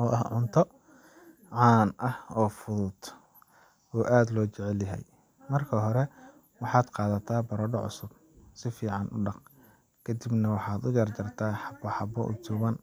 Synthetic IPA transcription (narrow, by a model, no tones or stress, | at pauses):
ɔːʔɐhʕʊnt̪ʰɔ | ʕɑːnʔɐhɔːfʊðʊd̪ | ɔːʔaːd̪lɔːt͡ʃɛʕɛljɐɦɛ̰j | mɐrkʰɐɦɔɾɛ | wɑħɑːd̪qɑːðɐt̪ʰaːbɐɾɔɖɔʕʊ̰sʊb̚ | sɪfiːʕɑnʔʊ̰ɖɑq | kʰɐd̪ibnɐwɑħɑːd̪ʊjɐrt͡ʃɐrt̪ʰaːħɑbɐħɑbɔʔʊ̰t͡ʃʊɣɐn